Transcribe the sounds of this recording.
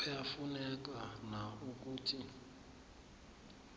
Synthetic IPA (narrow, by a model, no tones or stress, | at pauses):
ɛjafunɛk̬anauk̬uːtʰi